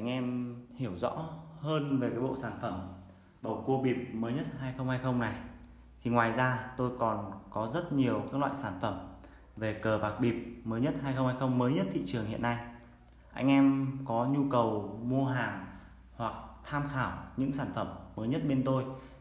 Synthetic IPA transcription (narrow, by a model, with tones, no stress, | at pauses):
ʔa˧jŋ̟ʔɛ˧mhi˧˩əwzɔ̰˧˥həː˧nve˨˩kaː˨˦jɓo̰˧˨saː˧˩nfə˧˩m | ɓə˨˩ko˧ɓi˨˩p̚məː˨˦jɲə˦˥t̚haː˧jxə˧wŋ͡mhaː˧jxə˧wŋ͡mna˨˩j | t̪ʰi˨˩ŋwaː˨˩jzaː˧t̪o˧jkɔ˨˩nkɔ˨˦zə˦˥t̚ɲi˨˩əwkaː˦˥k̚la̰ː˧˨jsaː˧˩nfə˧˩m | ve˨˩kəː˨˩ɓaː˨˩k̚ɓi˨˩p̚məː˨˦jɲə˦˥t̚haː˧jxə˧ŋ͡mhaː˧jxə˧wŋ͡mməː˨˦jɲə˦˥t̚t̪ʰḭ˧˨t͡ɕɨ˨˩əŋhḭ˧˨ənːa˧j | ʔa˧jŋ̟ʔɛ˧mkɔ˨˦ɲu˧kə˨˩wmu˧əɦaː˨˩ŋ | hwa˨˩k̚t̪ʰaː˧mxaː˧˩wɲɨ̰˧˥ŋsaː˧˩nfə˧˩mːəː˨˦jɲə˦˥t̚ɓe˧nt̪o˧j